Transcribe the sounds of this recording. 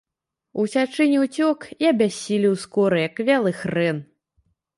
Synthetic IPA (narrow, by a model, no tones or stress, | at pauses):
usʲat͡ʂɨnʲiwt͡sʲɔkiɐbʲasʲilʲiwskɔɾɨjakvʲalˠɨxrɛn